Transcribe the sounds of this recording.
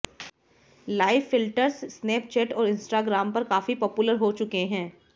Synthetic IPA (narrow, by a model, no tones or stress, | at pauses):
laːɪfːɪlʈəɾssneːp̚t͡ʃɛːʈɔːɾɪ̃nsʈaːɡɾaːmpɐɾkaːfipɔːpʊləɾɦot͡ʃʊkeɦɛ̃ː